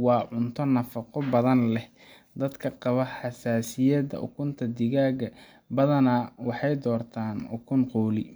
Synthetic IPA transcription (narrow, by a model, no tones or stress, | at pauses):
wɑːʕʊnt̪ʰɔnɐfɑqɔbɐðɐnlɛh | d̪ɐd̪kʰɐqɑβɐħɑsaːsɪjɐd̪ɐ̰ʔʊ̰kʰʊnt̪ʰɐd̪ɪɣaːɣɐ | bɐðɐnɐwɑħɑjd̪ɔːrt̪ʰaːnʊkʰʊnqɔːlɪ